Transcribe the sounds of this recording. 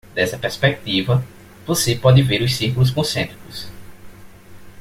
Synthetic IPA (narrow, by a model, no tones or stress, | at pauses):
d̪ɛsɐpeɾspɛk̚t̪ivɐ | vosepɔd̪ɪveɾʊssihkulʊs̬kõsẽnt̪ɾikʊs